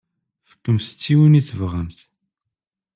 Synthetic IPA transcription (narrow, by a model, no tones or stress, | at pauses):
fə̥kːəmsə̥t͡sːiwəniθəvʁəmθ